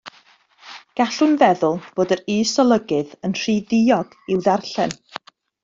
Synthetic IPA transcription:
ɡ̥aɬʊnvɛðʊlˠb̥oːdəɾiːsɔlˠəɡɨðənr̥idɪjɔɡ̥ | ɪwðarɬɛn

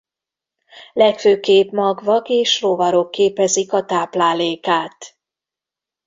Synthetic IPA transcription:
lɛkføːkeːpmɒɡvɒkeːʃrovɒɾo̞kːeːpɛzikɒt̪aːplaːleːkaːt̪

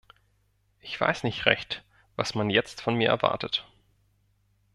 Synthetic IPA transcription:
ʔɪçv̥a̰ɪsnɪçtʁɛ̰çt | v̥a̰smanjɛt͡stfɔnmiːɐʔɛɐva̰ɐtət

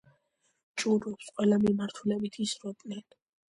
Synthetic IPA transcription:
t͡ʃʼuɾɔpsqʼwɛlamimaɾt̪ʰulɛbit̪ʰisɾɔd̪ʼnɛn

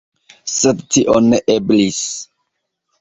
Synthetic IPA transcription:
sedtiʔoneʔeblis

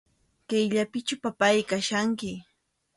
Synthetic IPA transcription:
kejʎapɪt͡ʃʊpapajkaʃaŋkɪ

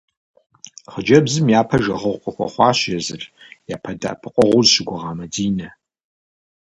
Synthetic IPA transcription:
χəd͡ʒɐbzɨmjaːpʰɐʒɐʁəʁʷqʷʼɐxʷɐ̰χʷɑːɕjɛzɨ̰r | jaːpʰɐda̰pʰɨqʷʼɔʁʷʊzʃɪɡʷʊʁɑːmɐdiːnɐ

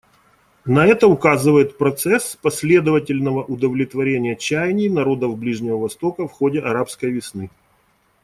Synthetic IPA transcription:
nɐɛt̪əʊkazɨvəjɪt̪pɾɐt̪sɛspɐsʲlʲe̞d̪əvətʲɪlʲnəvəʔʊd̪əvlʲɪt̪vɐɾʲenʲɪjət͡ɕæjnʲɪjnɐɾo̞d̪əvblʲiʐnʲɪvəvɐst̪o̞kəfxo̞dʲɪʔɐɾapskəjvʲɪsnɨ

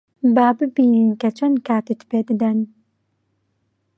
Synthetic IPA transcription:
baːbɨbiːninkɐt͡ʃʰɐnd̪kʰaːt̪ɨt̪peːd̪ɨd̪ɐn

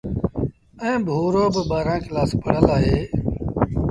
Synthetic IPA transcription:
ɛ̃ːbʱuːɾoːbəbaːɾãːkɪlaːspəɽ̤əlaːɦeː

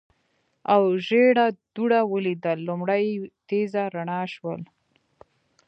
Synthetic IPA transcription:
awʒeɽad̪̥uɽawəlid̪əlːumɽəjt̪ezaɾaɳɑʃwə̰l

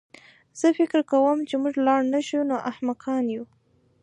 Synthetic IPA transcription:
z̥əfɪkɾkawəmt͡ʃemuʐlɑɽnaʃunoʔahmaqɑnju

